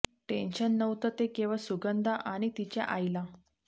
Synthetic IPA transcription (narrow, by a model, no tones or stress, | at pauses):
ʈẽnɕənːəwt̪ət̪ekẽʋasuɡənd̪ʱaʔaɽ̃it̪it͡ɕja̰ʔajla